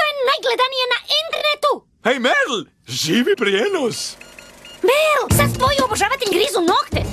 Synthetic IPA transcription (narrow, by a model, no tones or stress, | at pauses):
oennajɡled̪anijenaʔenɡ̪ɾnet̪u | ejmɛɾl | ʒiːʋipɾienos | vɛlsast̪ʋojioboʒaʋat̪eʎɡɾizunokt̪e